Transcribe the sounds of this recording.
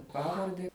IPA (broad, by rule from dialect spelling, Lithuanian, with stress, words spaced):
ˈpɑːʋɐrʲdʲɛ